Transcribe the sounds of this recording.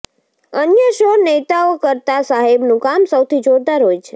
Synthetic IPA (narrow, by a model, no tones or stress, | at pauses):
ənjəʃonet̪aokəɾt̪asaɦebnũkamsəwt̪ʰid͡ʒoɾd̪aɾɦojt͡ʃʰe̥